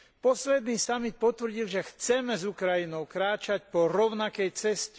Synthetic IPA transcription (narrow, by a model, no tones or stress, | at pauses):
pɔslɛd̪niːsamit̪̚pɔt̪ʋr̩ɟilʒɛxt͡sɛmɛzukɾajinɔʊkɾaːt͡ʃacpɔɾɔʊnakɛjt͡sɛsc